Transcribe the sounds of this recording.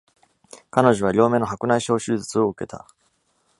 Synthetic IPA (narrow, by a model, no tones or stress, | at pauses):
kano̞ʑo̞β̞aɾʲo̞ːme̞nːoɦakɯ̟naiɕo̞ːɕɨːzɨt͡sɨo̞ɯ̟ke̞t̪a̰